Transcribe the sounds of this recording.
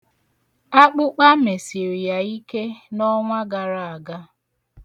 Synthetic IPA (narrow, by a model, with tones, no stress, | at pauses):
a˦k͡pʊ˦k͡pa˦me˨si˨ɾi˨ja˨i˦ke˦nɔ˦ŋʷa˦ɡa˨ɾa˦˨a˨ɡa˦